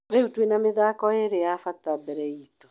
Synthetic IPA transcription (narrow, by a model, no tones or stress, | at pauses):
ɾeutwenameðaːkɔeɾeafatabɛɾɛito̥